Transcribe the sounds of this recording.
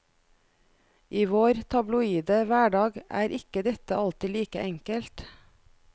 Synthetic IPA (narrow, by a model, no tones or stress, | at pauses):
ʔiːʋoːɾt̪ʰɑblʊiːd̪əʋæːɖɑːɡæ̰ːɾʔɪkəd̪ɛt̪əʔɑlt̪ɪliːkə̰ʔɛŋkəlt̪